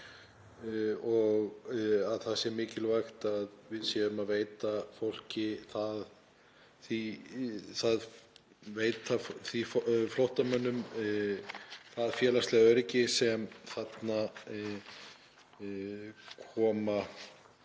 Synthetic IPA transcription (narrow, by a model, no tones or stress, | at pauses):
ɔɣaðθaðsjɛɾmɪːcɪlvajxt̪aðvɪðsjɛðʏmaðveːjt̪afowl̥cɪθað | θi | θað | veːjt̪afθiffloht̪amœnːʏm | θaðfjɛːlast̪lɛɣaœɾɪcɪsɛmθat̪na | kʰɔːma